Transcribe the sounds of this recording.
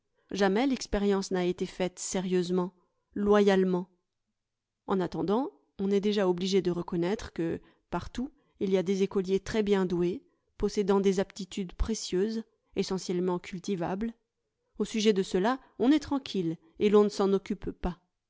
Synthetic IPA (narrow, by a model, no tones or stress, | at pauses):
ʒamɛlɛkspeʁjɑ̃snaet̪efɛt̪seʁjøzmɑ̃ | lwajalmɑ̃ | ɑ̃nat̪ɑ̃d̪ɑ̃ | ɔ̃nɛd̪eʒaɔbliʒed̪əʁəkɔnɛt̪χə̥kə | paʁt̪u | iliad̪ezekɔljet̪χɛbjɛ̃d̪we | pɔsed̪ɑ̃d̪ezapt̪it̪yd̪pχesjøz | esɑ̃sjɛlmɑ̃kʰʲylt̪iva̰bl | osyʒɛd̪əsəla | ɔ̃nɛt̪χɑ̃kʲʰil | elɔ̃nəsɑ̃nɔkʲyppa